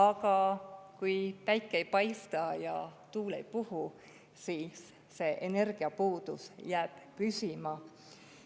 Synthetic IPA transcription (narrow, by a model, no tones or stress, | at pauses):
ɑɡ̥ɑkujpæjkːˑeejpɑjst̪ɑjɑt̪uːlḛjpuhu | siːsː | e̞ʔene̞rɡ̥iɑpuːd̪̥usjæːb̥pysimɑ